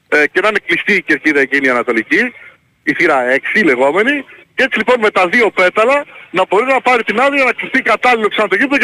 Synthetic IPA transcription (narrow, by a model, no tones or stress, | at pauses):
cenɐneklist̪iːce̞ɾciðɐeciniɐnɐt̪o̞lici | iθiɾɐe̞ksile̞ɣo̞me̞nice̞t͡silipo̞nme̞t̪ɐðio̞pe̞t̪ɐlɐnɐbo̞ɾinɐpɐɾit̪inɐðiɐnɐklist̪ikɐt̪ɐliloksɐnɐt̪o̞ʝiplo